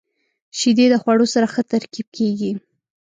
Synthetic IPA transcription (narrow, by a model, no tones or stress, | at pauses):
ʃid̪ed̪əxwaɽosaɾaxət̪aɾkib̚kʰeɡi